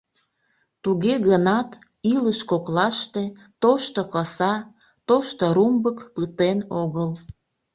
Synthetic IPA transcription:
t̪uɣeɣənɑt̪ | iləʃkoklɑʃt̪e̽ | t̪oʃt̪okəsɑ | t̪oʃt̪oɾumbəkpət̪enoɣəl

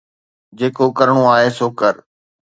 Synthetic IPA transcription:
d͡ʑeːkokəɾɽ̃õaːɦeːsoːkəɾ

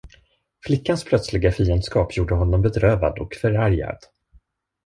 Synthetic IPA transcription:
flɪkːanspʰlœt̪slɪɡafiːənd̪skɑːpʰjuːɖəɦɔnːɔmbɛd̪ɾøːva̰d̪ɔ̰kfœɾæɾja̰d̪̥

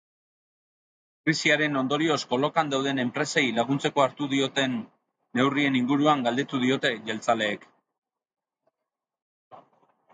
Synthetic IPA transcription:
kɾisiaɾe̞no̞nd̪o̞ɾio̞sko̞lo̞kand̪awðe̞ne̞mpɾe̞sejlaɣ̞unt͡se̞ko̞aɾt̪uðio̞t̪e̞nː | e̞wrie̞niŋɡuɾuaŋɡald̪e̞t̪uð̞io̞t̪e̞ʝe̞lt͡sale̞ːk

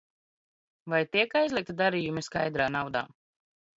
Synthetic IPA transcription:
vajt̪iɛkajzʲlˠik̚t̪id̪aɾijumiskajd̪ɾaːnawd̪a̰ː

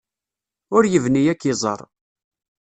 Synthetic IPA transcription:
ʊɾjəvnijækːɪzˤə̰ɾˤ

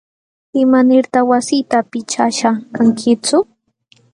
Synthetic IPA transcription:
ɪmanɪɾt̪aχwasijt̪apɪt͡ʃaʃakaŋkʰɪt͡sʊ

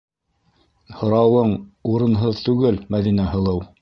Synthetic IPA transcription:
hŏɾɑwɤɴuɾɤ̆nɦɤðt̪ʉɡɘlmæðinæhɤ̆lˠɤw

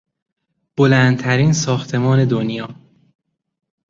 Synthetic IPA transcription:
b̥olænd̪̚t̪ʰæɾiːnsɒːxt̪ʰe̞mɒːne̞d̪onjɒː

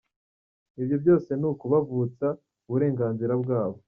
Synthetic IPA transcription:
ibjobjo̞ːse̞nukuβavuːt͡sa | uβuɾe̞ːŋɡaːnziɾabɡaːβo̞

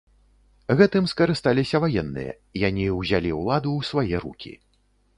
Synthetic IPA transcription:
ɣɛt̪ɨmskɐɾɨst̪alʲisʲɐvajɛnːɨ̰jɐ̰ | janʲiwzʲalʲiwlˠad̪uwsvajɛɾṵkʲḭ

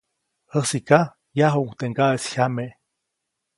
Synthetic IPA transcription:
həsika | jaɦuŋt̪eŋɡaʔesçame

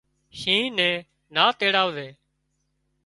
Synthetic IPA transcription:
ʃĩːnɛ̃ː | naːt̪eːɽaːʋʋeː

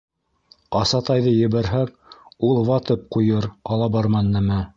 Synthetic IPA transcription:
ɑsɑt̪ɑjðɤjɘ̆βæɾɦæk̚ | ulˠβɑt̪ɤp̚qujɤɾɑlˠɑbɑɾmɑnːɘmæ

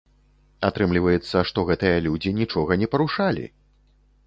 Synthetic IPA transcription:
at̪ɾɨmlʲivɐjɛt̪sːɐʂt̪ɔɣɛt̪ɨjɐlʲud͡zʲinʲit͡ʂɔɣɐnʲɛpɐɾuʂalʲḭ

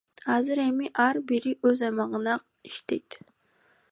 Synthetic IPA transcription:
hɑːzɨɾemiʔaɾbiɾiʔɵzɑjmɑʁənɑ | i̥ʃt̪ejt̪

